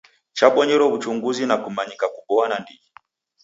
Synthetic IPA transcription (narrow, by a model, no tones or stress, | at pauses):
t͡ʃaɓɔɲɛɾɔvut͡ʃuŋɡuzinakumaɲikakuɓɔanandiɡi